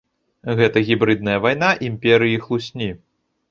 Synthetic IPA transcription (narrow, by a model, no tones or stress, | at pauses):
ɣɛt̪ɐɣʲibɾɨd̪̚nɐjɐvajnaʔimʲpʲɛɾɨjixlˠusʲnʲi